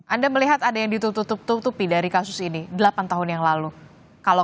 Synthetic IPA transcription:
ʔandaməliɦat̪adajaŋdit̪ut̪ut̪ʊp̚t̪ut̪upidaɾikasʊsinidəlapant̪aɦʊnjaŋlalu | kalo

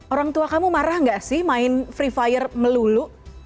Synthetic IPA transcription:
oɾaŋt̪uakamumaɾahŋɡaʔsɪhmaɪnfɾifajərməluluʔ

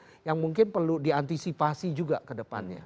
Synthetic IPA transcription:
jaŋmuŋkɪnpərludiant̪isipasid͡ʒuɡa̰kədəpa̰nɲa̰

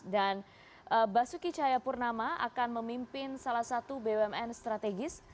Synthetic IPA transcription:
dan | ʔəbasukit͡ʃajapurnamaa̰kanməmimpɪnsalahsat̪ubeɛmɛnst̪ɾat̪eɡɪs

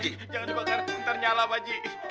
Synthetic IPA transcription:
d͡ʒi | d͡ʒaŋandibak̪ərnt̪ərɲalamad͡ʒi

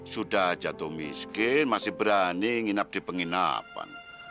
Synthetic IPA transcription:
sudahd͡ʒat̪omḭskɪnmasɪhbəɾaniŋinap̚d̥i̤pəŋina̰pa̰n

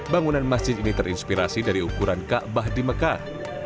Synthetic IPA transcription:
baŋunanmasd͡ʒɪd̪init̪əɾinspiɾasidaɾiukuɾankaʔbahdiməka

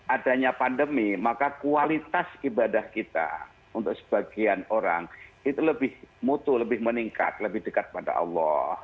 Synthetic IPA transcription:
adaɲapandəmimakakualit̪asibadahkit̪a̰ | unt̪ʊk̚sə̥b̥aɡianoɾa̰ŋit̪uləbɪhmut̪uləbɪhməniŋka̰t̪̚ləbɪhdəkat̪̚pada̰ʔɑ̰lːɔh

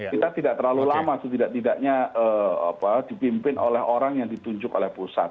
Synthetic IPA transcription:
kit̪at̪idaʔt̪ərlalulamasut̪idaʔt̪idaʔɲaəːa̰pad̥ipimpɪnʔolɛɦoɾaŋjaŋdit̪uɲd͡ʒʊkolɛhpusa̰t̪̚

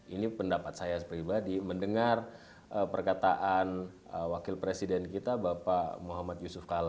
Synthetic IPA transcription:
inipəndapat̪̚sajapɾibadiməndəŋar | əpərkat̪aʔan | əwakɪlpɾesidɛnkit̪abapamuɦamat̪̚jusʊfkala

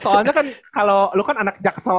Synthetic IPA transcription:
t̪ɔaɲakankalawlukananak̚d͡ʒak̚səl

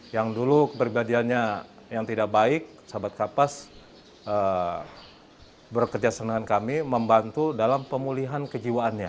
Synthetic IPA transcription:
jaŋdulukəpɾibadianɲa | jaŋt̪idak̚baɪk̚sabat̪̚kapas | ə | bərkəd͡ʒasanaankamiməmbant̪udalampəmuliɦankəd͡ʒiwaʔːnɲa

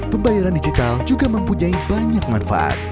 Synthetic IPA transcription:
pəmbajaɾandid͡ʒit̪ald͡ʒuɡaməmpuɲaibaɲak̚manfa̰ʔa̰t̪̚

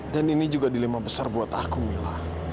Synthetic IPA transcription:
daninid͡ʒuɡadilimabəsarbuat̪akumilah

